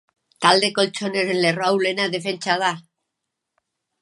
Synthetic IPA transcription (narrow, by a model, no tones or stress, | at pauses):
t̪ald̪eko̞lt͡ʃonesenlerawlenaðefent͡ʃaðaɾ